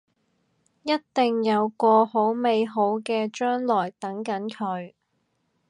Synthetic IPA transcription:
jɐ˥t̚t̪ɪ˨ŋjɐ˨˧wkɔː˧ho˨˥wme˨˧jɦo˨˥wkɛː˧t͡ʃœː˥ŋlɔː˨˩jt̪ɐ˨˥ŋkɐ˨˥nkʰɵ˨˧ɥ

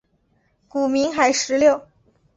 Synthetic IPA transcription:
ku˨˩mi˧˥ŋxa˧˥ɪʂɻ̩˧˥ljo˥˩ʊ

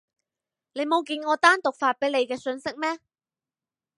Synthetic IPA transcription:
ne˨˧jmo˨˧wkiː˧nŋɔː˨˧t̪aː˥nt̪ʊ˨k̚faː˧t̚pe˨˥le˨˧jkɛː˧sɵ˧nsɪ˥k̚mɛː˥

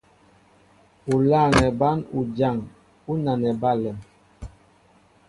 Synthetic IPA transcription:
u˨laː˦˨ŋɛ˨ba˦nu˨d͡ʒa˨ŋ | u˦na˨nɛ˨ba˦lɛ˨m

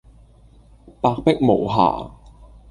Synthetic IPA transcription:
paː˧k̚pɪ˥k̚mo˨˩wɦa̰ː˨˩

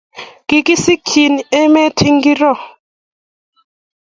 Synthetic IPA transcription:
ki˦ki˦si˦kʰi˨ni˨ɛ˦mɛ˦tʰi˦ŋɡi˦ɾɔ˦˨

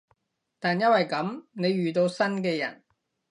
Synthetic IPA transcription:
t̪aː˨njɐ˥t̚wɐ˨jkɐ˨˥mne˨˧jɥyː˨t̪o˧wsɐ˥nkɛː˧jɐ̰˨˩n

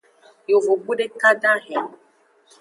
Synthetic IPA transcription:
jo˨vo˨ɡ͡bu˦ɖe˦ka˦dã˦ɦɛ̃˨

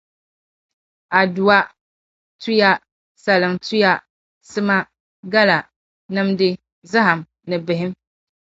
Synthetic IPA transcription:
a˨du˨wa˦ | tu˦ja˦ | sa˨lɨ˨ŋtu˦ja˦ | sɨ˦ma˦ | ɡa˦la˨ | nɨ˦mdɨ˦ | za˦ɦa˨m | nɨ˨bɪ˨ɦɪ˦m

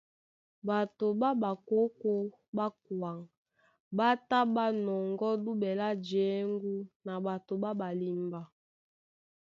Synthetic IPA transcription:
ba˨to˨ba˦ba˨ko˦ko˦ | ba˦k̚wa˨ŋ | ba˦ta˦ba˦nɔ˨ŋɡɔ˦du˦bɛ˨la˦d͡ʒe˨˦ŋɡu˦na˨ba˨to˨ba˦ba˨li˨mba˨

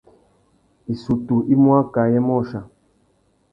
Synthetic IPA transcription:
i˨su˨tu˨ʔi˦mwa˦ka˨jɛ˦mɔ˦˨ʃa˨

